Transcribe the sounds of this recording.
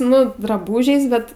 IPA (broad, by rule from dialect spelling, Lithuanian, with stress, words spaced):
ˈnʊ drɐˈbuːʒʲɛɪs ˈbʲɛt